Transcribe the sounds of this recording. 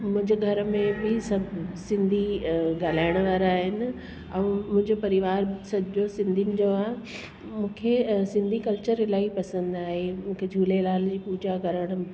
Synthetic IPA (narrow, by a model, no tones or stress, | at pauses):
mʊ̃ɦɪ̃ɲd͡ʑɡʱɐɾmẽbɪsɐbʱsɪ̃nd̪ʱiɡaːl̤aːɪɽ̃ʋaːɾaːɦɪnɪ̆ | ɛ̃ːmʊ̃ɪ̃ɲd͡ʑopɐɾɪʋaːɾsɐd͡ʑosɪ̃nd̪ʱiɪnɪ̆d͡ʑoaːɦ | mũːkʰesɪ̃nd̪ʱikɐlt͡ɕəɾɪlaːipɐsə̃nd̪aːɦemũːkʰed͡ʑʱuːlelaːld͡ʑiːpuːd͡ʑakɐɾəɽ̃